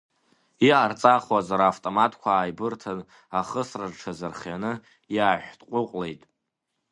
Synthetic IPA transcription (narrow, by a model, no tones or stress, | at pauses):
iʔart͡sʼaχwazaɾaːftʼomatʰʼkʷʰaːjbɨrtʰan | aχəsraʐʈ͡ʂʰazɨrχjanɨ | jaːħᶣʷtʼqʷʼʊqʷʼle̞jtʼ